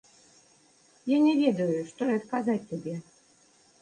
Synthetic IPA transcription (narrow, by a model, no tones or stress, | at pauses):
janʲɛvʲed̪ɐjʊʂt̪ɔɛɐt̪kazatʲt̪ʲabʲɛ